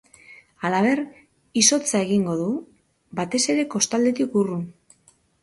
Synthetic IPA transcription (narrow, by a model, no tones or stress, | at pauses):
alaβ̞e̞r | iso̞t͡sae̞ɣiŋɡo̞ðu | bat̪e̞se̞ɾe̞ko̞st̪ald̪e̞t̪ikurun